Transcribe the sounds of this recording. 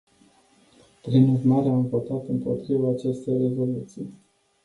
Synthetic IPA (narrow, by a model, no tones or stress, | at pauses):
pɾinurmaɾeaɱvo̞t̪at̪ɨmpo̞̰t̪ɾivaːt͡ʃe̞st̪e̞jre̞zo̞lut̪sij